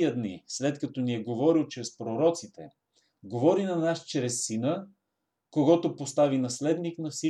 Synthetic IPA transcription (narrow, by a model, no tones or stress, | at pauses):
iəd̪nḭslɛt̪kɐt̪ɔniɛɡovɔɾilˠt͡ʃɾɛspɾoɾɔt̪sit̪ɛ | ɡovɔɾinɐnaʃt͡ʃɾɛsːinə | koɡɔt̪opost̪avinɐslɛd̪niknɐfsi